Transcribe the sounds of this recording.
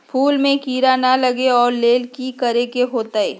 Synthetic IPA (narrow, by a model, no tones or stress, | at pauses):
pʰuːlmẽkiːɾanalɐɡeɔːɾleːlkikɐɾekeɦoːt̪aeː